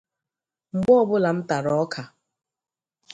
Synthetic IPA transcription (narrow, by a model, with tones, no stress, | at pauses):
ŋ͡m̩˨ɡ͡bɔ˦ɔ˦˨bʊ˦la˨m̩˦ta˨ɾɔ˨˦kʰa˨